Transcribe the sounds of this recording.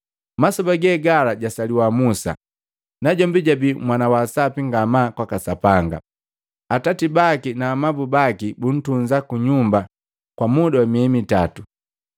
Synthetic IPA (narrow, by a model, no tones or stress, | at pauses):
masɔbaɡɛɡalaɟasaliwamusa̰ | naɟɔmbiɟabimwanawasapiŋɡamakwakasapaŋɡa̰ | atatibakinaːmabubakibun̩tunzakuɲumba | kwamudawamiɛmitatu